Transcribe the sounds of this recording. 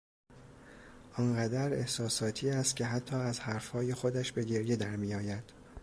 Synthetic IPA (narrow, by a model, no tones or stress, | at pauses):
ʔɒːnɢæd̪æɾe̞hsɒːsɒːt̪ʰiːæst̪̚kcʰe̞ɦæt̪ʰːɒːæzhæɾfhɒːje̞xo̞d̪æʃbe̞ɟe̞ɾje̞d̪æɾmijɒːjæd̪̥